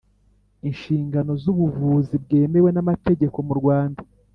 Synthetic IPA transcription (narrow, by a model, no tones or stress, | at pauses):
inʃiːŋɡano̞zuβuvuːzibɡe̞ːme̞we̞namate̞ɟe̞ko̞muɾɡwaːnda